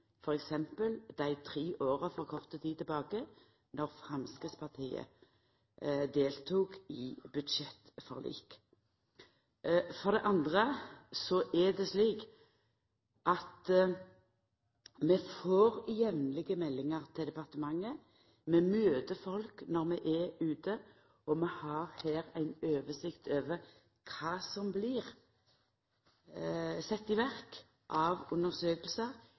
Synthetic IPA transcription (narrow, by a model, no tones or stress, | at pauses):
fɔʁɛksɛmpəld̪̥æɪt̪ʰʁiːʔoːʁəfɔʁkʰɔʁt̪ət̪ʰiːd̪t̪ɪbɑːɡə | nɔʁfʁɑmskəspʰɑʁt̪ʰiːə̰ | d̪eːlt̪ʰuːkɪbʉd̪ʃɛt̪fɔ̰ʁlḭːk | fɔʁd̪ɛʔɑnd̪ʁəsɔʔɛd̪ɛsliːk | ʔɑt̪ | mɛfoːʁjɛʋnlɪɡəmɛlːɪŋəʁt̪ʰɪd̪ɛpɑʁt̪əmɑŋːə | mɛmøːd̪əfɔlknɔʁmɛʔɛʉːt̪ə | ɔmɛhɑʁhæːɾæɪnøːʋəsɪkt̪ʰøːʋə | kʰɑːsɔmbliːʁ | sɛt̪ːɪʋæʁk | ʔɑʋʉnəʁsøːkəlsəʁ